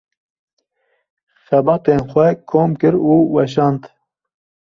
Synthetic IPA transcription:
xɛbɑːt̪eːnxʷɛkʰoːmkɨɾuːwɛʃ̬ɑːnd̪

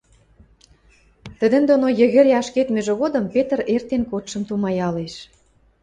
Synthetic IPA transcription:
t̪ə̆d̪ə̆md̪onojə̆ɣə̆ɾɑʃket̪mĕʒĕɣod̪əmpet̪ə̆rert̪enkot̪ʃə̆mt̪umɑjɑleʃ

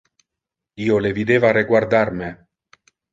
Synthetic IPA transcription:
iːolevid̪eːvaɾeɡwaɾd̪aɾme

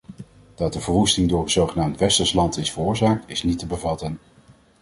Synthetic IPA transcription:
d̥ɑt̚dəvəɹɦustɪŋdʊːɹənz̥owχənaːmtʋɛstəɹslɑntɪsfərʊːɹzaːk̚tɪsnitəbəvɑtən

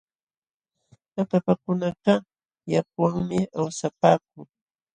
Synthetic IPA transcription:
napapakʊnɑqɑ | jakwaŋmɪawsapaːk̚ʊŋ

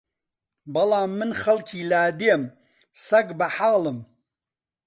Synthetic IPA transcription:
bɐlɑːmːɨnχɐlkʰiːlaːd̪em | sɐɡbɐħaɣlɨm

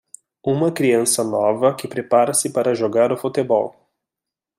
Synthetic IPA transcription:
ũmɐkɾiɐ̃sɐnɔvɐkɪpɾepaɾɐsɪpaɾɐʒoɡaɾʊfut̪ebɔ̰w

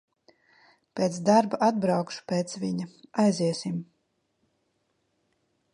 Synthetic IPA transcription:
pʲeːt̪sd̪aɾbaʔad̪̚bɾawkʃu̥peːt̪svʲiɲaajziɛsim

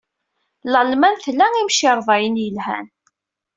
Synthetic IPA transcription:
ləlmænθlːæŋimʃɪɾˤðˤɑjənjəlhæ̰n

